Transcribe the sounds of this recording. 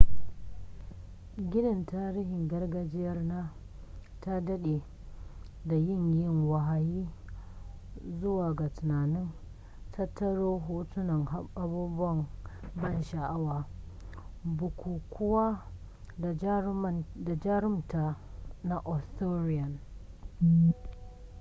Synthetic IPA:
ɡʲɪ˦nɪ˨ntaː˦ɾiː˦hɪ˨ŋɡɐ˦rɡɐ˦d͡ʒɪ˦jɐ˦rnaː˦ | ta˦dɐ˦ɗe˨ | da˨jɪ˦˨ɲjɪ˦˨ŋwa˨ɦa˨jiː˦ | zʊ˦waː˨ɡa˨tʊ˨naː˨nɪ˦n | tʰɐ˦tʰːɐ˦ɽoː˦ɦoː˦tʊ˦nɐ˨ŋ˦ʔa˦buː˦bʊ˦wɐ˨mbɐ˦˨nʃa˨ʔa˦waː˨ | bʊ˨kʷuː˨kʷʰʊ˦waː˦˨˦ | da˨d͡ʒa˦ɾɪ˦mta˨ | na˨ʔɔ˨stoː˦ɾɪ˦jɐ˨n

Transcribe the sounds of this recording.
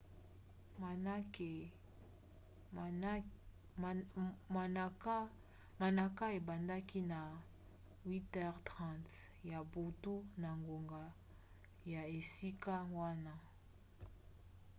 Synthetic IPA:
k | ma˨na˨ka˦e˨ba˨nda˦ki˦na˨ | wi˦tɛ˦ʁtʁã˦˨nt | ja˨bu˨tu˦na˨ŋɡo˨ŋɡa˨ | ja˨e˨si˦ka˦wa˦na˦

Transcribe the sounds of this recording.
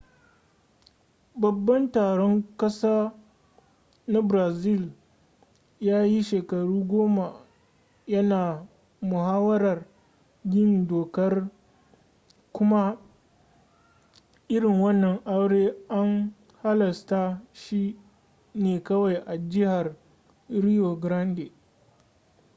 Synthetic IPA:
bɐ˨bːɐ˦ntaː˨ɽɔ˦ŋkɐ˦saː˦ | na˦bɾaː˨zɪ˦˨l | jaː˦ji˦ʃeː˨kɐ˨ɽuː˦ɡʷoː˦ma˨ | jɐ˦naː˨ | mʊ˨haː˦wɐ˦ɾɐ˨r | ɡʲɪ˦˨ndoː˨kɐ˦r | kʷʊ˦ma˦ | ʔɪ˦ɽɪ˨ŋwɐ˦nːɐ˨ŋʔa˦wɽeː˦ʔa˦ŋ | ha˦lɐ˨sta˦ʃi˦ | neː˨kɐ˦wa˨jʔa˨d͡ʒɪ˦ha˨r | ɾi˦jo˨ɡɾɐ˦nde˨

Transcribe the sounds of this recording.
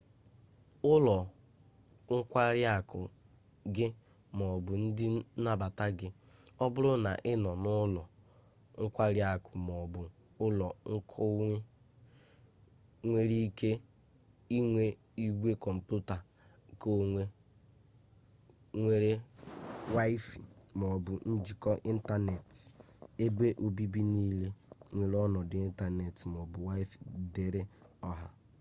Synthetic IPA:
ʊ˦lɔ˨ | ŋ̩˦kʷa˦ɾja˦˨kʰʊ̰˨ | ɡɪ˦ | m˨ɔ˨bʊ˨n̩˦dɪ˦na˦ba˨ta˦ɡɪ˦ | ɔ˦bʊ˦ɾʊ˦na̰˨ʔɪ˦nɔ˨nʊ˦lɔ˨ | ŋ̩˦kʷa˦ɾja˦˨kʊ˨m˨ɔ˨bʊ˨ | ʊ˦lɔ˨ŋ̩˦kʰʊ˦ | ŋʷe˦ɾi˦ke˦ | i˦ŋʷe˦ | i˦ɡʷe˦kɔ˨m̩˨pu˦ta˨ | ko˦ŋʷe˦ | ŋʷe˦ɾe˦ | wa˦i˦fi˨m˨ɔ˨bʊ˨n̩˦d͡ʒi˨kɔ˦ʔi˦n̩˦ta˦ne˨t | e˦be˦ʔo˨bi˦bi˦ni˦le˦ŋʷe˨ɾɔ˦nɔ˨dɪ˨i˦n̩˦ta˦ne˨tm˨ɔ˨bʊ˨wa˦i˦fde˨ɾe˦ɔ˦ɦa˨

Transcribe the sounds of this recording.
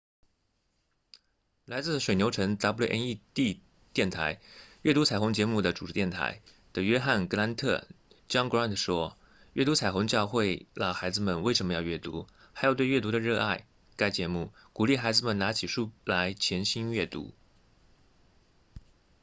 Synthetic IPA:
la˧˥ɪt͡sɹ̩˥˩ʂwe˨˩njo˧˥ʊʈ͡ʂʰɤ˧˥ŋt̪ɑ˧˥pu˧˥u˥˩ʔɛ˥ni˥˧t̪i˥˧ | t̪jɛ˥˩nt̪ʰa˧˥ɪɥɛ˥˩t̪u˧˥t͡sʰa˨˩ɪxʊ˧˥ŋt͡ɕjɛ˧˥mu˥˩d̪ə˩ʈ͡ʂu˨˩ɻ̩˧˥jɛ˥˩nt̪ʰa̰˧˥ɪ | d̪̥ə˨ɥɛ˥xa˥˩nkɤ˧˥la˧˥nt̪ʰɤ̰˥˩ | t͡ɕjɑ˥ŋkɹa˥nt̪ʰʂwɔ˥ | ɥɛ˥˩t̪u˧˥t͡sʰa˨˩ɪxʊ˧˥ŋt͡ɕjɑ˥˧ʊxwe˥˧ɪlə˨˩xa˧˥ɪd͡zɹ̩˧mə˨nwe˥˩ɪʂə˧˥nmə˧jɑ˥˧ɥɛ˥˩t̪ṵ˧˥ | xa˧˥jo˨˩ʊt̪we˥˧ɪɥɛ˥˩t̪u˧˥d̪ə˧ɻɤ˥˧a̰˥˩ɪ | ka˥ɪt͡ɕjɛ˧˥mu˥˩ | ku˨˩li˥˩xa˧˥ɪd͡zɹ̩˧˨mə˨˩na˧˥t͡ɕʰi˨˩ʂu˥˩la˧˥ɪt͡ɕʰjɛ˧˥nɕi˥nɥɛ˥˩t̪ṵ˧˥

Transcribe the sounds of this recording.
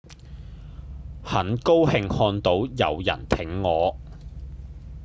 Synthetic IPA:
hɐ˨˥nko˥whɪ˧ŋhɔː˧nt̪o˨˥wjɐ̰˨wjɐ̰˨˩nt̪ʰɪ˨˥ŋːɔː˨˧

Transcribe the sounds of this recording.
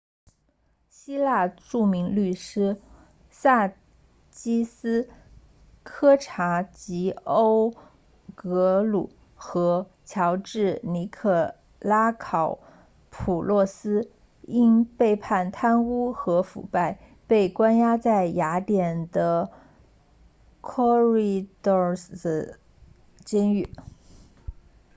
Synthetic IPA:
ɕi˥la˥˧ʈ͡ʂu˥˩mi˧˥ŋly˥˩ʂɻ̩˥ | sa˥˩ | t͡ɕi˥sɹ̩˥ | kʰɤ˥ʈ͡ʂʰa˧˥t͡ɕi˧˥o˥ʊ | kɤ˧˥lu˨˩˦ | xɤ˧˥ | t͡ɕʰjɑ˧˥ʊʈ͡ʂɻ̩˥˩ni˧˥kʰɤ˥˩ | la˥kʰɑ˨˩˦ʊ | pʰu˨˩lwɔ˥˩sɹ̩˥ | i˥npe˥˧ɪpʰa˥˩nt̪ʰa˥nu˥xɤ˧˥fṵ˨˩pa˥˩ɪ | pe˥˩ɪkwa˥nja˥t͡sa˥˩ɪja˧˥t̪jɛ˨˩nd̪ə˦ | kʰɔ˥ɹi˧d̪ɔ˥˩ə˩ | t͡ɕɛ˥ny˥˩

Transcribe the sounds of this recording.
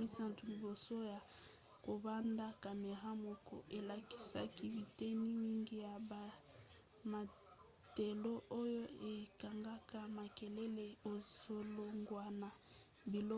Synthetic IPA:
i˦sa˦ntu˨li˨bo˨so˦ja˨ | ko˨ba˦nda˦ka˨me˨ʁa˦mo˨kɔ̰˨ʔe˨la˨ki̥˦sa̰˦ki˦bi˨te˦ni˦ni˦ŋɡi˦ja˨ba˨ | ma˨ | te˨lo˦ʔo˦jo˦e˨ka˨ŋɡa˦ka˦ma˨ke˨le˦le˦o˨so˨lo˦ŋɡwa˨na˨ | bi˨lɔ˦

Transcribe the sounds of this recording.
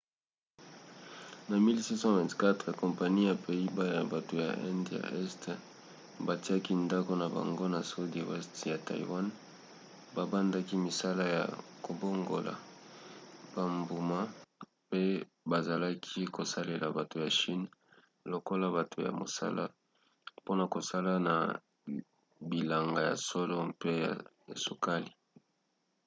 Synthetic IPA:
na˨mi˦lsi˦sɑ̃˦vɛ̃˨tka˦tʁɛ˨kɔ̃˨mpa˨ni˦a˨pʰe˨i˦ba˦˨a˨ba˨to˨ja̰˨ʔɛ˦nda̰˨ʔɛ˦st | ba˨ti˦a˦ki˦nda˦ko˦na˨ba̰˨ŋɡo˦na˨so˦di˨wɛ˦stja˨ta˨ḭ˨wa˦n | ba˨ba˦nda˦ki˦mi˨sa˦la˦ja̰˨ko˨bo˦ŋɡo̰˨la̰˨ | b̥a˨mbu˨ma˦ | pe˦ | ba˨za˨la˦kʰi˦ko˨sa˦le˨la˨ba˨to˨ja˨ʃi˦n | lo˨ko˦la˦ba˨tʰo˨ja̰˨mo̰˨sa̰˦la̰˦ | po˦na˨ko˨sa˦la˦na̰˨ | bi˨la˨ŋɡa˨ja̰˨so˦lo˦pe˦ja̰˨ | a˨su˨ka˦li˨

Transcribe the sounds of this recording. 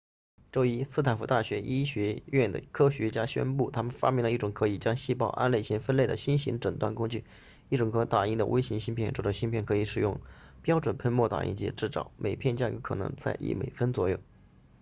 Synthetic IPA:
ʈ͡ʂo˥ʊi˥sɹ̩˥˩t̪ʰa˨˩nfu˧˥t̪a˥˩ɕɥɛ˧˥ʔi˥ɕɥɛ˧˥ɥɛ˥˩nd̪ə̰˩kʰɤ˥ɕɥɛ˧˥t͡ɕja˥ɕɥɛ̰˥npu˥˩t̪ʰa˥mə˨nfa̰˥pjɛ˥˩ŋlə˧i˥˩ʈ͡ʂʊ˨˩ŋkʰɤ˧˥i˨˩t͡ɕjɑ˥ŋɕi˥˧pɑ˥˧ʊʔa̰˥nle˥˩ɪɕi˧˥ŋfə˥nle˥˩d̪ə˩ɕi˥nɕi˧˥ŋʈ͡ʂə˨˩ŋt̪wa̰˥˩nkʊ˥ŋt͡ɕy˥˧˨ | i˥˩ʈ͡ʂʊ˨˩ŋkʰɤ˧˥t̪a˨˩i˥ŋd̪ə̰˩we˥ɪɕi˧˥ŋɕi˥npʰjɛ˥˩nʈ͡ʂɔ˥˩ʈ͡ʂə˨˩ɕi˥npʰjɛ˥˩nkʰɤ˧˥i˧˩ʂɻ̩˨˩jʊ˥˩ŋ | pjɑ˥ʊʈ͡ʂwə˨˩npʰə˥˧ɪmwɔ˥˩t̪a̰˨˩ḭ˥˩ŋt͡ɕɛ̰˧˥ʈ͡ʂɻ̩˥˩t͡sɑ̰˨˩˦ʊmʔe˨˩ɪpʰjɛ˥˧nt͡ɕja˥˩kɤ˧˥kʰɤ˨˩nɤ̰˧˥ŋt͡sa̰˥˧ɪʔḭ˥˩mḛ˨˩ɪfə˥nt͡swɔ̰˧˥jo˥˩ʊ

